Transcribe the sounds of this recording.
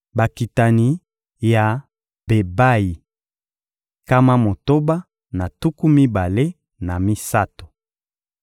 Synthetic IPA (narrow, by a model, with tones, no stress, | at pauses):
ba˨ki˨ta˨ni˨ | ja˨ | be˨ba˦ji˨ | ka˦ma˦mo˨to˦ba˦ | na˨tu˦ku˦mi˦ba˨le˦ | na˨mi˦sa˦to̥˨